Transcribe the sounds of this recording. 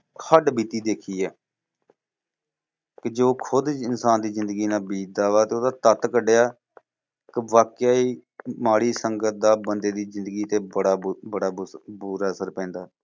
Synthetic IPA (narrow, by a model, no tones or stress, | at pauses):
həɖbiːt̪iːd̪eːkʰiːɛː | kɪd͡ʒoːkʰʊd̪ɪnsaːnd̪iːzɪ̃nd̪əɡiːnaːbiːt̪̚d̪aːʋaːt̪eːoːd̪aːt̪ət̪kəɖejaː | kɪʋaːkjaːiːmaːɽiːsəŋɡət̪̚d̪aːbənd̪eːd̪iːzɪ̃nd̪əɡiːt̪eːbəɽaːbəɽaːbuːɾaːəsəɾpɛ̃ːnd̪aːɛː